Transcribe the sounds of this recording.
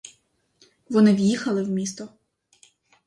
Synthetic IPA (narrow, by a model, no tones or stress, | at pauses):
ʋɔnɪwjixɐlˠɪwmʲist̪ɔ